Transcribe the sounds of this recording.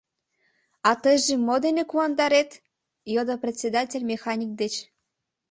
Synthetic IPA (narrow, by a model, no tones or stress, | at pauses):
ɑt̪ɤjʒĕmod̪enekuɑnd̪ɑɾet̪ | jod̪oprʲetʲsʲed̪ɑtʲelʲmʲexɑnʲik̚d̪et͡ɕ